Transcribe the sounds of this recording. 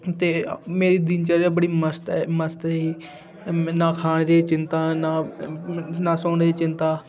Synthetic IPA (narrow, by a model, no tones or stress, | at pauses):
t̪eːmeːɾiːd̪ɪnt͡ʃəɾaːbəɽiːməst̪ɛməst̪ːiː | naːkʰaːɳ̃d̪eːt͡ʃɪnt̪ãːnaː | naːsoːɳd̪eːt͡ʃɪnt̪aː